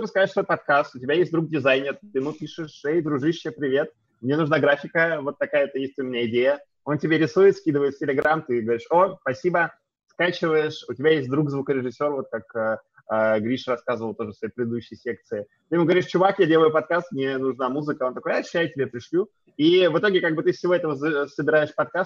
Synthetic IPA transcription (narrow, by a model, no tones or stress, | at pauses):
t̪opəskɐzaʂsvot̪pɐt̪̚kast̪ʊtʲɪbʲajes̬ʲt̚ʲd̪ɾuk̚dʲɪzajnʲɪrt̪ɨmupʲiʂɨʂejd̪ɾʊʐɨʂepɾʲɪvʲe̞t̪̚ | mnʲe̞nʊʐnaɡɾafʲɪkəvo̞t̪ːɐkajəɛt̪əjesʲt̪ʲʊmʲɪnʲaɪdʲejə | o̞ntʲɪbʲeɾʲɪsujɪt̪skʲid̪ɨvəjɪt̪ftʲɪlʲɪɡɾamt̪ɨɡəvɐɾʲiʂospɐsʲibə | skat͡ɕɪvəjɪʂʊtʲɪbʲajesʲt̚ʲd̪ɾukzvukəɾʲɪʐɨsʲːo̞rvo̞t̪̚kakə | əɡɾʲiʂrɐskazəvəlˠt̪o̞ʐəsvɐjejpʲɾʲɪd̪ɨd̪uɕːɪjsʲek̚t̪sɨɪ | t̪ɨjɪmuɡəvɐɾʲiʂt͡ɕʊvakjadʲeləjʊpɐt̪̚kast̪mnʲenʊʐnamuzɨkəot̪ɐkojɐɕʉ̥ɕːæjʊtʲɪbʲepɾʲɪʂlʲu | ivɨt̪o̞ɡʲɪkaɡ̚bɨt̪ɨfsʲɪvo̞ɛt̪əvəsəbʲɪɾaɪʂpɐt̪̚kast̪